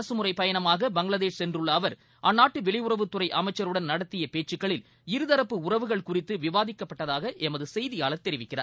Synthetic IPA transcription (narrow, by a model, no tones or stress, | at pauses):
ɐsɯmʊrɐɪpɐjɐɳɐmaːɣɐbɐŋɡɭɐðeːʂsɛndrɯɭːɐːʋɐɾ | ʔɐnːaːʈːɯʋɪɭɐjʊrɐʋɯt̪ːɯrɐɪʔɐmɐɪt͡ʃːɐɾɯɽɐnnɐɽɐt̪ːɪjɐpeːt͡ʃːɯkːɐɭɪl | ɪɾɯðɐɾɐpːɯʊrɐʋɯɣɐɭkʊrɪt̪ːɯʋɪʋaːðɪkːɐpːɐʈːɐðaːɣɐʔɛmɐðɯsɛjðɪjaːɭɐɾt̪ɛɾɪʋɪkːɪra̰ːɾ